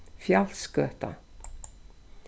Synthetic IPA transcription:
fjal̥skœːht̪a̰

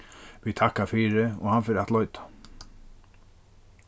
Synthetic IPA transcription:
ʋit̪ʰahkafiːɾɪɔ̰hanfɪɾat̪lɔʏt̪ḁ

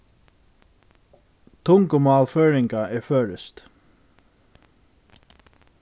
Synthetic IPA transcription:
t̪ʰʊŋkəmɑːlføːɹɪŋkaʔɛɹføːɹɪst̪

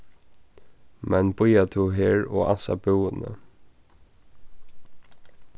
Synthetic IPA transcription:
mɛnbʊjat̪ʰuɦeːɹɔansa̰bɪwənə̰

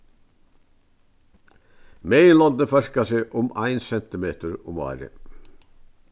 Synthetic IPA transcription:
meːɪənlɑnd̪əfæʃkɑseːʔʊmʔɑɪnsɛnt̪ɪmeːt̪əɹʊmɑ̰ːɾə̰

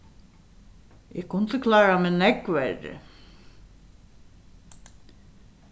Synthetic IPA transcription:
ɛkʰʊnt̪əkʰlaːɣamɛðnɛkvɛɾɪ̰

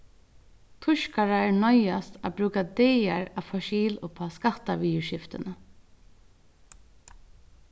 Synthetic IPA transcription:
t̪ʰʊʃkaɹaɛɹnɔjast̪a̰bɾʉːkad̪ɛːaɹafɔʃiːlʊpʰaskat̪ːaʋiːʊʃɪft̪ɪnə

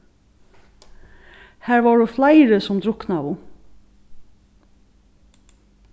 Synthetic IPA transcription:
hæːɹʋɑːɖʉːflæɪɾəsɔmd̪ɾʊknɑːʋʊ

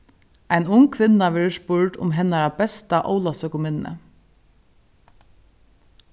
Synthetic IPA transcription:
aɪnʊŋkʰʋɪnːaʋɛɹʂpʊɹɖʊ̰mɦɛnaɾabɛst̪aʔo̰ʊlasœːkʊmɪnə̰

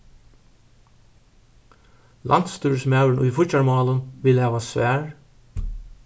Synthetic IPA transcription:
lʔɑ̰nt̪st̪ʉːɹsmɑʉɳ̩ʔṵːfʊçɑɹmɑːlənʋɪlæːʋɑːsʋæːɹ

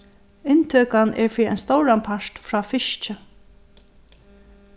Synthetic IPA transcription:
ɪnt̪ʰœːkanʔɛɹfɾiɛ̰jnst̪owɾanpʰaɹ̥t̪fɾaːfɪʃt͡ʃɪ

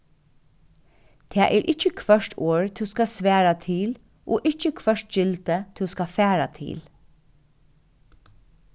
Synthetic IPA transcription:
t̪ʰɛːʔɛɹʔɪht͡ʃːəkʰʋœʂtʰoːɹt̪ʰuskasʋæːɹat̪ʰiːl | ʔɔːʔɪht͡ʃːəkʰʋœʂtd͡ʒɪlt̪ət̪ʰuskafɛːɹat̪ʰḭːl

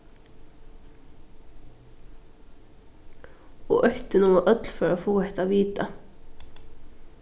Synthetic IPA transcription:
o̰ːʔœçt̪ənuːoːʔœt̪lfɔɹoːfoːɛt̪ɑːʋiːt̪ɑ

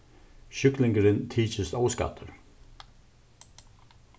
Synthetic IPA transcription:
ɕʏklɪŋkəɾɪnt̪ʰiːt͡ʃəst̪ɔːwska̰t̪ʰʊɹ

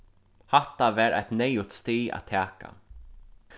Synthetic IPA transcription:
hat̪avɛːɾʔæ̰ɪt̪nejʊt̪st̪iːa̰t̪ʰæːka̰

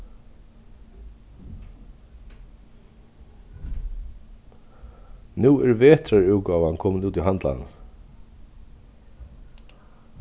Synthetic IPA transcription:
nuːɛɹveːt̪ʰɾaɹʉwkaːvankʰɔːmnuːt̪iɦant̪la̰nn

